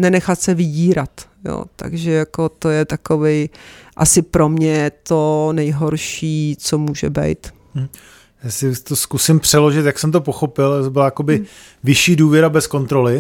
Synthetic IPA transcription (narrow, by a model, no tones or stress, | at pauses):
nɛnɛxat̪sɛvɪɟiːɾat̪jo̰ːt̪a̰ɡʒɛjakot̪o̞jɛt̪akovɛjʔasɪpɾo̞mɲɛɛt̪onɛjɦo̞ɾʃiːt͡somuːʒɛbɛ̰jt̪̩ | jaːsɪt̪oskusɪmpr̝̥ɛlo̞ʒɪt̪jaksɛmt̪̬opoxo̞pɪlt̪obɪlajako̞bɪ | vɪʃiːduːvjɛɾabɛsko̞nt̪ɾo̞lɪ